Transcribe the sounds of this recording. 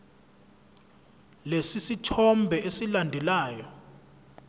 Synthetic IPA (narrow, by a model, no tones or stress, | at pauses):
lesisitʰɔmbʱɛesilandʱɛlaːjɔ